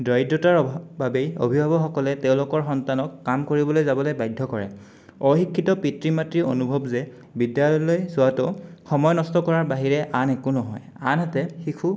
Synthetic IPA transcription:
dɔjdɔtaɹbabejo̰bʱibʱabɔxɔkɔlɛteʊ̃lʊkɔɹxɔntanɔkːamkoɹibɔlojzabɔlojbajdʱːɔkɔɹɛ̰ | ɔxikʰːitɔpitɹimatɹio̰nubʱɔbzɛ | bidjalɔjlojzʊwatɔxɔmɔjɔnɔstɔkɔɹaɹbaɦiɹɛʔanɛkunɔɦɔj | a̰natɛxikʰu

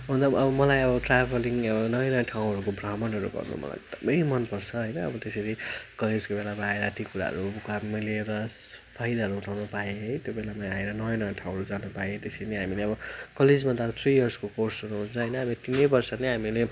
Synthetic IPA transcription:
ɦund̪ʌʌbʌmʌlajʌbʌʈrabʱʌliŋʌbʌnʌjʌ̃nʌjʌʈʰaw̃ɦʌɾukobramʌnɦʌɾṵɡʌ̰rnṵmʌ̰la̰jt̪ʌbeimʌnpʌrt͡sʰʌɦʌjnʌ̰ːbʌt̪eseɾikʌled͡zkobelamaaeɾʌːt̪ikuɾa̰ɦʌ̰ɾubkammʌjleːɾʌs | pʰajd̪aɦʌɾuɦuʈʰawnupaeɦʌjt̪jobelamaaeɾʌnʌjʌ̃nʌjʌ̃ʈʰaw̃ɦʌɾud͡zanupaet̪esejneɦamileʌbʌkʌled͡zmad̪at̪ʰrijʌrskokorsʌɾuɦunt͡sʰʌɦʌjnʌɦamilet̪inʌjbʌrsʌneɦamile

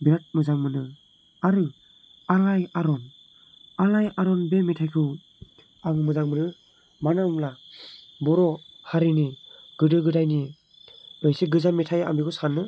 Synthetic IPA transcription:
biɾat̚mɯzaŋmɯnɯ | aɾɯ | alajaɾɔn | alajaɾɔnbemitʰajkʰɯw | aŋmɯzaŋmɯɾɯ | manamla | bɔɾɔhaɾiniɡ̥ɯdɯɡɯdajni | ɯjsiɡɯzamitʰaja̰mbikʰɯsanːɯ

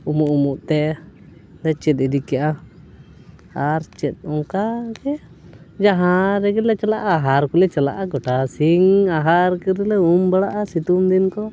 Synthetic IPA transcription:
umuʔumuʔt̪ɛ | lɛt͡ʃɛt̪̚idikjaʔa | aɾt͡ʃɛt̪̚ˀɔŋkaɡɛ | d͡ʒaɦãɾɛɡɛlɛt͡ʃalaʔaːɦaɾkulɛt͡ʃala̰ʔaɡɔʈasiŋaɦaɾkəɾlɛumbəɽaʔasit̪umd̪inkɔ

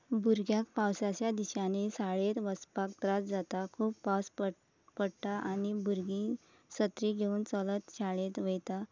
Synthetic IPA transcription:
buɾɡjak̚pawsat͡ɕjad̪iɕanisaɭet̪ʋəspak̚t̪ɾat͡sd͡zat̪akʰuːpːasp | pəɽt̪aʔañibuɾɡĩ | sət̪ɾiɡʱeuːnt͡sɔlət̪ɕaɭet̪ʋejt̪a

